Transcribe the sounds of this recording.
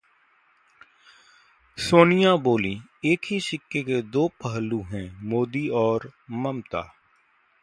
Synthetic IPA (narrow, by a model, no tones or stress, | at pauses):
soːnɪjaːboːlĩː | eːkʰɦisɪkːeked̪oːpəɦəlːuːɦɛ̃ːmoːd̪iːɔːɾməmt̪a̰ː